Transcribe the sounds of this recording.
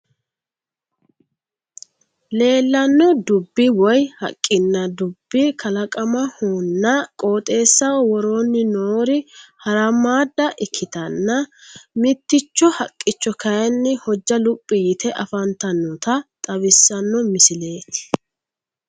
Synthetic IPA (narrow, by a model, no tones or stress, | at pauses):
le̞ːlːɐnːɔd̪ʊbːɪwɔjhɐ̰kʼːɪnːɐd̪ʊbːɪkʰɐlɐkʼɐmɐhuːnːɐkʼo̞ːt̪ʼe̞ːsːɐwɔɾo̞ːnːɪnoːɾɪhɐɾɐmaːd̪ːɐʔɪkʰːɪt̪ɐnːɐmɪt̪ːɪt͡ʃːɔhɐkʼːɪt͡ʃːɔkʰɐjnːɪhɔd͡ʒːɐlʊpʼːɪjɪt̪ɛʔɐfɐnt̪ɐnːɔt̪ɐt̪ʼɐβɪsːɐnːɔmɪsɪle̞ːt̪ɪ̥